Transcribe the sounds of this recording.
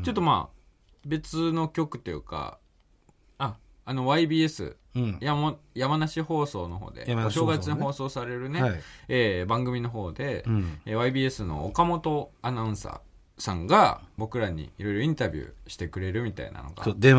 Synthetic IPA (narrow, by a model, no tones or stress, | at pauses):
t͡ɕo̞t̪ːo̞ma̰ː | be̞t͡sɨno̞kʲo̞kɯ̟t̪ːe̞jɯ̟ka̰ | aː | no̞βaibʲiːe̞sɨ̰ | jajamanaɕiho̞ːso̞ːno̞ɦo̞̰ːd̪eɕoːɡat͡sɨɲiho̞ːso̞ːsaɾe̞ɾɯ̟ne̞eːbãŋɡɯ̟mʲino̞ɦo̞ːd̪e̞βaibʲiːe̞sɨno̞̰ːkamo̞t̪o̞anaɯ̟̃sa̰ː | sãŋɡabo̞kɯ̟ɾaɲ̟ḭiɾo̞jɾo̞ĩnt̪abʲjɯ̰ːɕi̥t̪e̞kɯ̟ɾe̞ɾɯ̟mʲit̪a̰ḭna̰no̞̰ɡa̰d̪